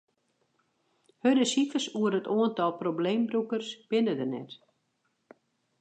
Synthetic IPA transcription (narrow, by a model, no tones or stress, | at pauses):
hødəsifəsuəɾətuəntɔlˠpɾoblejmbɾukərsb̥ɪnədərnɛ̰t